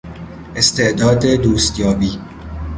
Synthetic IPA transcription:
ʔest̪e̞ʔd̪ɒːd̪ed̪uːst̪jɒːbiː

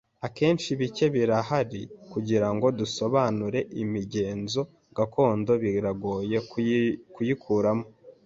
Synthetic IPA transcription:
ake̞ːnt͡ʃiβice̞βiɾahaɾikuɟiɾaŋɡo̞duso̞βanuɾe̞ʔimiɟe̞ːnzo̞ | ɡ̥ako̞ːndo̞βiɾaɡo̞ːje̞kujikʰuːɾamo

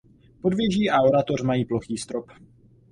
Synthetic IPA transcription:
po̞dvjɛʒiːʔao̞ɾat̪o̞rmajiːplo̞xiːst̪ɾop

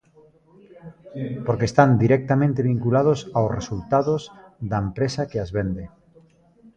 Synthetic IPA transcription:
poɾkest̪and̪iɾɛk̚t̪amẽnt̪eβiŋkulaðosawsresult̪aðozðɐempɾesakeazβend̪e

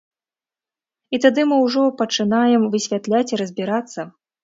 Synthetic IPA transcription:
it̪ad̪ɨmɨwʐɔpɐt͡ʂɨnajɛmvɨsʲvʲat̪lʲat͡sʲiɾɐzʲbʲiɾat̪sːɐ

